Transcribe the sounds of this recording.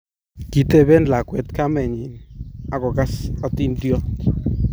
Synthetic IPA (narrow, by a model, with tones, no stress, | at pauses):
ki˨t̪e˦˨be˦nla˨kwɛ˨t̪ka˦mɛ˨ɲi˨na˨kɔ˨ka˦sɔ˧t̪i˦ndjɔ˦t̪